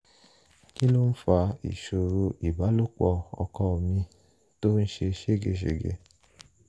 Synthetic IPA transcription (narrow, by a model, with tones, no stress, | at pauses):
ki˦lo˦n̩˦fa˧ḭ˨ʃo˨ɾo˧ʔi˨ba˨˦lo˦k͡pɔ˧˨ɔ̰˧kɔ˧˦˨mĩ˧ | to˦n̩˦ʃe˧ʃe˦˨ɡe˧˨ʃ̬ḛ˨ɡḛ˧˨